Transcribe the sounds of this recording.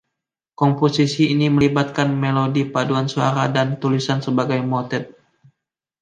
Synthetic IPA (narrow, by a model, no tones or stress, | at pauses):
kɔmposisiːniməlibat̪̚kanmelodipaduansuaɾadant̪ulisansəbaɡajmot̪ɛt̪̚